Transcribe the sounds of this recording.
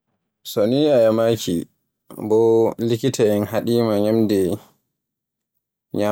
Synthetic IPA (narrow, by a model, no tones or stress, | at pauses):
sɔniajamaːkʰḭ | bɔlikitʰaɛnɦaɗiːmaɲamdɛ | ɲa